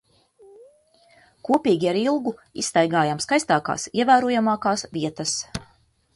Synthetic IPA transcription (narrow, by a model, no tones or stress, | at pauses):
kuɔpʲiːɡʲiaɾilˠɡuisːt̪ajɡaːjamskajst̪aːka̰ːsiɛvæːɾuɔjamɑːkaːsviɛt̪ɐs